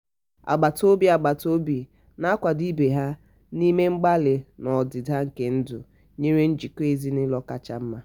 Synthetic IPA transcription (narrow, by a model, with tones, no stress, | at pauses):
a̰˨ɡ͡ba˨to˦bi˦a˨ɡ͡ba˨to˦bi˨ | na˦kʷa˨di˦be˨ɦa˦ | ni˦me˦ŋ͡m̩˦ɡ͡ba˦lɪ˨nɔ˨dɪ˨da˦ŋ̩˨ke˦n̩˦dʊ̰˨ | ɲe˦ɾe˦n̩˦d͡ʒi˨ko˦e˦zi˦nɪ˦lɔ˦ka̰˦t͡ʃa̰˦m̩˦ma˦